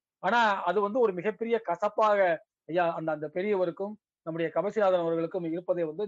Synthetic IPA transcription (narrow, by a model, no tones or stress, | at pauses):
aːnaːɐðɯʋɐnd̪ɯɔɾɯmɪɣɐpːɛɾɪjɐkɐsɐpːaːɣɐ | ɐjːaːɐnd̪ɐːnd̪ɐpɛɾɪjɐʋɐɾɯkːɯm | nɐmːɯɽɐjɐkɐbɐsɪɾaːðɐɾɐmɐɾɣɐɭɯkːɯmɪɾɯpːɐðeːʋɐnd̪ɯ